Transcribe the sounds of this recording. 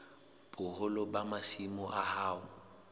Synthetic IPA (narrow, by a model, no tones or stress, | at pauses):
b̥ʼʊhʊlɔbamasimʊʔahaːʊ